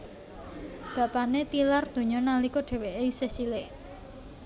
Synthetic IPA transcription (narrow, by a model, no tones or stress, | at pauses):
b̥ä̤panet̪ilard̪̥o̤ɲɔnalikoɖ̥e̤weʔeisesileʔ